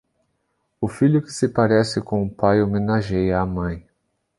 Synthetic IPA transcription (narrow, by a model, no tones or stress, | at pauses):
ʊfiʎʊkɪ̥sɪpaɾɛsɪkõʊpajomẽnaʒejaːmɐ̃j̃